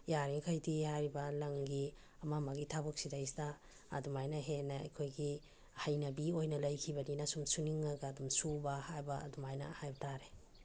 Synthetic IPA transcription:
jaɾiŋkʰajdihajɾibɐlɐŋɡi | ɐmamaɡitʰabɐk̚sidajsi̥ta̰ː | dumajnɐɦenaɐ̰jkʰojɡi | hɐjnɐbiojnɐlɐjkʰibɐninasumsuniŋɐɡadumsubɐhajbɐ̰ːdumajnɐ̰hajbɐtʰaɾe

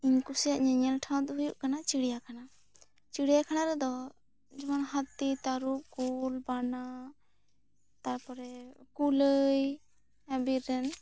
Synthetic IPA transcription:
iɲkusɛjaʔɲɛɲɛlʈʰãwt̪ɦujuʔkanat͡ʃiɽijakana | t͡ʃiɽijakʰanaɾɛd̪ɔ | d͡ʒɔmanɦat̪ːit̪aɾup̚kulbana | t̪aɾpɔɾɛkuləj | ɛbiɾɛn

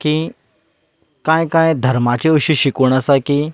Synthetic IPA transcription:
ki | kãjkãjd̪ʱəɾmat͡ɕiuɕiːɕikuːɳ̃əsajkiː

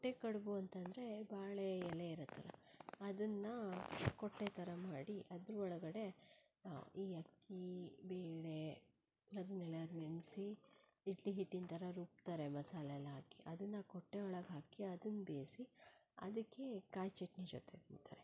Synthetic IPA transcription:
oʈːe̞kɐɽbuɐnt̪ɐnd̪ɾe̞baːɭeɛleiɾɐt̪ːɐlɐ̰ɐd̪ɐnːɐkɔʈːet̪ʰɐɾɐmaːɽiʔɐd̪ɾuɔɭɐɡɐɽe̞ | iːɐkːibeːɭe | ɐd̪unɛlːaɾnensiiʈliɦiʈːint̪ʰɐɾɐɾuːp̚t̪aːɾe̞mɐsaːlɐɛlːɐɦaːki̥ʔɐd̪ɐnːɐkɔʈːe̞ɔɭɐɡɦaːkiɐd̪ɐnːbeːsiɐ̰d̪ɐkːe̞kaːjt͡ʃeʈnid͡ʒo̰t̪e̞ɡumt̪aːɾe̞

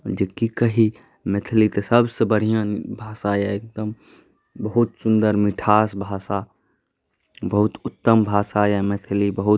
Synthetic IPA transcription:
d͡ʒekikəɦi | met̪ʰelit̪esəbsebəɽ̤ijãbʱaːsajɛeːk̚d̪əm | bəɦʊt̪sʊ̃nd̪əɾmiʈʰaːsbʱaːsa | bəɦʊt̪ʊt̪ːəmbʱaːsajɛmet̪ʰəlibəɦʊ

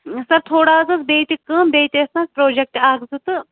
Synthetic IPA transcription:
sɐɾt̪ʰoːɽaːzɐzbeːt̪ikəːmbeːt̪ʲesnɐ̃kpɾoːd͡ʒek̚ʈiaːkzɨt̪ɨ

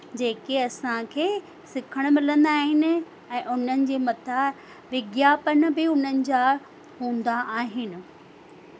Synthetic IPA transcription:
d͡ʑeːkeɐsãkʰeː | sɪkʰəɽ̃ʊmɪlə̃nd̪aːɦɪnɪ̆ | ɛ̃ːʔʊn̤ənɪ̆d͡ʑeːmɐt̪ʰa | ʋɪɡjaːpən̆bɪʊn̤ənɪ̆d͡ʑa | ɦũːn̆d̪aʔaːɦɪnɪ̆

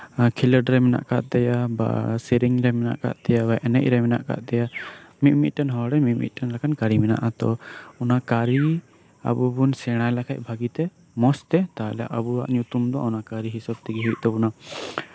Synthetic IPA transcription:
kʰiləɖɾɛmɛna̰ʔkaʔt̪ɛjaba̰sɛɾiŋɾɛmɛna̰ʔka̰ʔt̪ɛjabaʔɛnɛ̰c̚ˀɾɛmɛna̰ʔka̰ʔt̪ɛjamit̪̚ˀmit̪̚ˀʈɛnɦɔɽɛmit̪̚mḭt̪̚ˀʈɛnlakʰankaɾimɛna̰ʔat̪ɔ̰unakaɾi | a̰bubunsɛɽ̃ajlakʰac̚ˀbʱaɡit̪ɛ | mɔst̪ɛt̪alɛja̰ʔabua̰ʔɲut̪umd̪ɔɔnakaɾiɦisəb̚t̪ɛɡiɦuʔ̚t̪ɔbuna

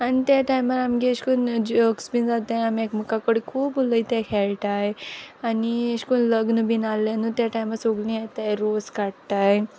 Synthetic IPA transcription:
anit̪jaʈajməɾamɡeɕkund͡ʑoksbind͡zat̪ajamiekmukakəɽikʰuːpuləit̪akʰɛɭʈajanieɕkunləɡnbinalːenut̪jaʈajməɾsoɡlĩjɛt̪ajɾoskaɽt̪aj

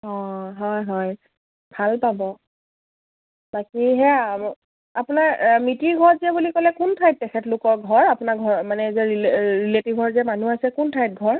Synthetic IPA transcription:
ɔ̃ɦɔjɦɔj | bʱalpabɔ | bakiɦɛ | apʊnaɹmitiɹɡʱɔɹziɛbulikɔlɛkuntʰajt̚ːɛkʰɛtlʊkɔɹɡʱɔɹapʊnaɡʱɔɹmanɛzɛɹiɹiletibɡʱɔɹzɛmanuasɛkuntʰajt̚ɡʱɔɹ

